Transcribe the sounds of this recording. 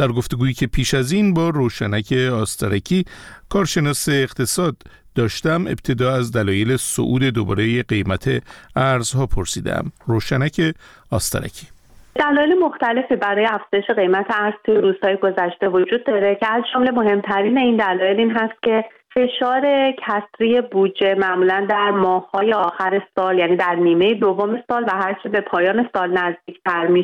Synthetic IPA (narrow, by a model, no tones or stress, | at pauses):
d̪̥æɾɡo̞ft̪e̞ɡuːjiːcʰe̞pʰiːʃæziːnbɒːroːʃænæcʰe̞ɒːst̪ʰæɾæcʰiːkʰɒːɾʃe̞nɒːse̞ːqt̪ʰe̞sɒːd̪ː | ɒːʃt̪æme̞̰b̥̚t̪ʰe̞d̪ɒːæzd̪ælɒːje̞leso̰ʔuːd̪e̞d̪obɒ̰ːɾejeɡe̞jmæt̪ʰe̞æɾzhɒːpʰo̞ɾsiːd̪ḛʔæ̰mroːʃænæcʰe | ɒːst̪æ̰ɾæ̰cʰi̥ː | d̪̥ælɒːjelemoxt̪æle̞fiːbæɾɒːjeæfz̥ɒːje̞ʃe̞ɣe̞jmæt̪ʰeæɾz̥t̪ʰujeɾuːz̥hɒːjeɡo̞zæʃt̪e̞vo̞d͡ʒuːd̪̚ːɒɾe̞cʰe̞æzd͡ʒomle̞mo̞ɦe̞mt̪ʰæɾiːne̞iːnd̪ælɒːje̞liːnɦæst̪̚cʰe̞ | fe̞ʃɒːɾe̞cʰæsɾije̞bud͡ʒe̞mæʔmuːlænd̪æɾmɒːhhɒːje̞ɒːxæɾe̞sɒːljæniːd̪æɾniːme̞jed̪ovːome̞sɒːlvæɦæɾt͡ʃʰebe̞pʰɒːjɒːne̞sɒːlnæzd̪iːcʰt̪ʰæɾmiʃ